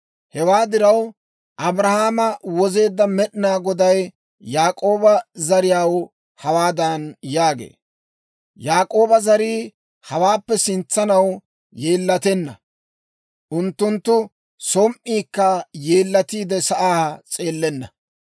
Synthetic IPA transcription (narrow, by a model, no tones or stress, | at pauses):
hɛwaːd̪ɪɾɐw | ʔɐbɾɐhaːmɐwɔze̞ːd̪ːɐmɛɗɪnaːɡɔd̪ɐj | jaːkʼo̞ːbɐzɐɾɪjaːw | hɐwaːd̪ɐnjaːɡḛː | jaːkʼo̞ːbɐzɐɾiː | hɐwaːpːɛsɪnt͡sːɐnɐw | jeːlːɐt̪ɛnːɐ̰ | ʔʊnt̪ːʊnt̪ːʊ | sɔmʔːiːkːɐje̞ːlːɐt̪iːd̪ɛsɐʔaːt͡sʼe̞ːlːɛnːɐ̰